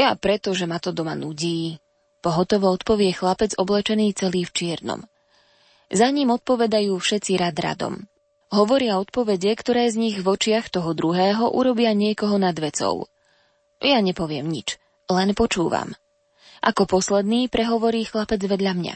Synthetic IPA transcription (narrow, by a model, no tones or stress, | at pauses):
japɾɛt̪ɔʒɛmat̪ɔd̪ɔma̰nuɟiː | pɔɦɔt̪ɔʋɔɔt̪pɔʋɪɛxlapɛd͡zɔblɛt͡ʃɛniːt͡sɛliːft͡ʃɪɛɾnɔ̰m | zaɲiːmɔt̪̚pɔʋɛd̪ajuːfʃɛt͡siɾad̪ɾa̰d̪ɔ̰m | ɦɔʋɔɾɪaɔt̪̚pɔʋɛɟɛkt̪ɔɾɛːzɲiɣʋɔt͡ʃɪaxt̪ɔɦɔd̪ɾuɦɛːɦɔʔuɾɔbɪaɲɪɛkɔɦɔnad̪ʋɛt͡sɔ̰ʊ | jaɲɛpɔʋɪɛmɲḭt͡ʃ | lɛnpɔt͡ʃuːʋa̰m | ʔakɔpɔslɛd̪niːpɾɛɦɔʋɔɾiːxlapɛd͡zʋɛd̪ʎamɲa̰